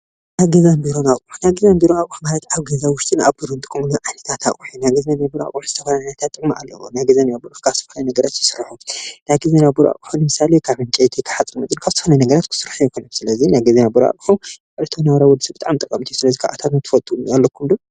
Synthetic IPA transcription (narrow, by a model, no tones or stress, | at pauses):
najɡɐzambiɾonakʼuħunajɡɐzambiɾonakʼuħumalɐt̪aβɡɐzawʊʃt̪ʼɨna̰βbuɾont̪ʼɨkʼmuluʕajnɐt̪ʰat̪ʰa̰ʔʼuħunajɡɐzanabuɾa̰kʼuħuz̥ɨt̪ʰɐfalaajnɐt̪ʰat̪ʼːɨkmaʔa̰lːɐ̰w̰najɡɐzanjabuɾuħkʰazt̪ɨ̥ɐfɐlɐjnɐɡɐɾat̪jɨsɨrħunajɡɐzenabuɾuʔa̰kʼuħulːɨmɨsalekʰaβhɨŋkʼejt̪ʰikʰɨ̥ħat͡sʼːɨmɨt̪ʼɨnkʰaβzɨt̪ʰfɐnɐjnɐɡɐɾat̪kʰɨ̥sɨrħujɛkʰonɐmsɨlɐzinajɡɐzenabuɾʔa̰kʼħukʼɐɨt̪ʰonawɾawɔd̪ɨsɐbɨt̪ʼaʕmt̪ʼɐkʼːɐmt̪ʰisɨlɐzikʰa̰ʔa̰t̪ʰat̪mɨt̪ʰɨ̥fɐt̪ʼujalːɐkʰːumd̪o